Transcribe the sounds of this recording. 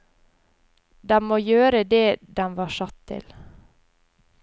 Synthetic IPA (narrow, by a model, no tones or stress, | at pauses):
d̪ɛmoːjøːɾəd̪eːd̪ɛnʋɑːʃɑt̪ʰːɪ̰l